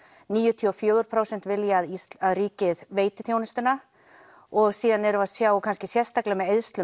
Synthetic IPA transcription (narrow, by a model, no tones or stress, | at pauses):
niːjʏt̪ʰiɔfjœːɣʏɾ̥pʰɾaːwsɛn̥t̪vɪljaðiaðriːcɪðveːjt̪ɪθjownɪst̪ʏna | ɔɣsiːðanɛɾʏvaðsjaːwkʰanscɪsjɛr̥st̪aklɛmɛðeðst̪lʏ